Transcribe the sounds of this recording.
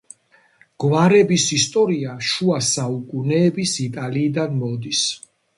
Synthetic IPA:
ɡ̥waɾɛbisist̪ʼɔɾiaʃuasaukʼunɛːbisit̪ʼaliːd̪anmɔd̪is

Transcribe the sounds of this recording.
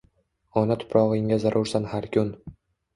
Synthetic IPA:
ɒnat̪ʰʊ̥pʰɾɒʁɪŋazaɾʔʊɾsanhaɾkʰʲʊn

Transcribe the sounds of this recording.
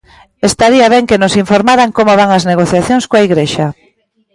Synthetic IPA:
est̪aɾiaβ̞ɛŋkenʊsiɱfoɾmaɾaŋkomoβ̞aŋɐzneɣoθjaθjoŋskoaiɣɾeʃa

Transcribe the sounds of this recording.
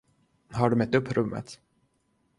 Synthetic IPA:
ɦaɖɵmɛt̪ːɵpːɾʔɵmːə̰t̪

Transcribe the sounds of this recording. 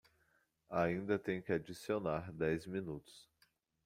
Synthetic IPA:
aĩnd̪ɐt̪ẽj̃kɪad͡ʒisionaɾd̪ɛjzmĩnut̪ʊ̥s

